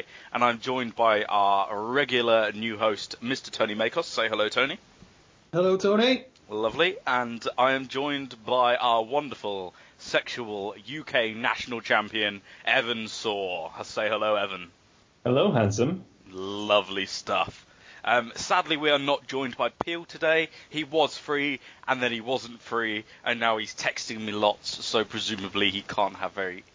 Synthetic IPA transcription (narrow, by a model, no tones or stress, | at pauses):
ʔə̃nãɪ̃md͡ʒɔ̃ɪ̃nbaɪʔa̰əɹɛɡjl̩ˠənjʉɦoʊstmɪstə̥tʰə̃ʊ̃nimeɪkʰɔsseɪɦəloʊtʰõʊñi | hɛloʊtʰɔni | lʌvliə̃naɪə̃md͡ʒɔ̃ɪ̃nbaɪʔaʊəwʌ̃ndəfəlˠ | sɛkʃəwəlˠjʉkʰeɪna̰ʃn̩l̩ˠt͡ʃʰæ̃mpiɨ̃nʔɛvə̃nsɔːəseɪhəloʊɛvə̃n | hɛloʊɦãnsə̃m | lʌvlistʌ̰f | ʔʌ̃msadˡliwiənət̚d̥ʒ̥ɔ̃ɪ̃nbaɪpʰiːlˠtʰədeɪiwɒz̥fɹiːʔə̃nðə̃niwɒzə̃ntfɹiːʔə̰̃nːaʊiz̥tʰɛkstɪ̃ŋmilɒtsoʊpʰɹ̥ɨzʉ̃ːməbliikʰɑ̃ˑnʔhə̰vɛɹi